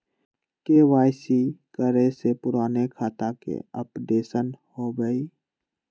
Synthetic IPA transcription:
keːʋaːɪsikəɾesepʊɾaːnekʰaːt̪akḛə̰pɖeːsənhobəiː

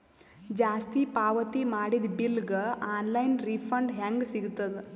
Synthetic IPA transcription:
d͡ʒaːst̪ipaːʋɐt̪imaːɽid̪bilɡɐaːnlɐjnɾipʰɐɳɖɦaŋɡsiɡut̪ːɐd̪e

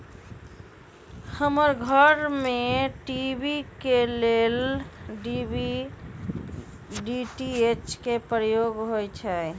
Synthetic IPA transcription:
həməɾɡʱəɾmeʈibikelelɖibi | ɖiʈiet͡ʃkepɾəjoɡɦojt͡ʃʰɛ

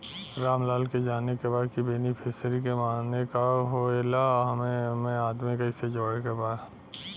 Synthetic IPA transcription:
ɾaːmlaːlked͡ʒaːnekebaːd̪̚kibeːnipʰɪsəɾikemaːnekaɦoelaɦɐmemẽaːd̪mikɐɪsed͡ʒoːɽekebaː

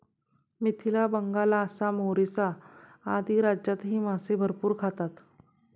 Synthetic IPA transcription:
mit̪ʰilabəŋɡalaəsamoɾisa | ad̪iːɾad͡ʑjat̪ɦiːmasebʱəɾpuːɾkʰat̪at̪

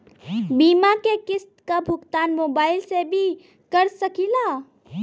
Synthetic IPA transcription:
biːmakekɪst̪kabʱʊɡt̪aːnmoːbaːɪlsebʱi | kəɾsəkilaː

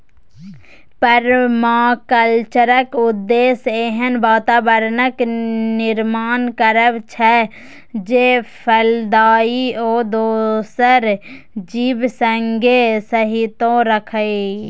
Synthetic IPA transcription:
pəɾmaːkəlt͡ʃəɾəkʊd̪ːeːseːɦənbaːt̪aːbəɾnəknɪɾmaːnkəɾəʋt͡ʃʰɛ | d͡ʒeːpʰəld̪aːioːd̪oːsəɾ | d͡ʒiːbsəŋɡʱesəɦɪt̪õɾəkʰəe

